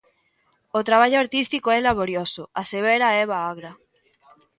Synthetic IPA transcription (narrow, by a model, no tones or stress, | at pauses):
ot̪ɾaβ̞aʎoaɾt̪ist̪ikoɛlaβ̞oɾjosoaseβ̞eɾaɛβ̞aaɣɾa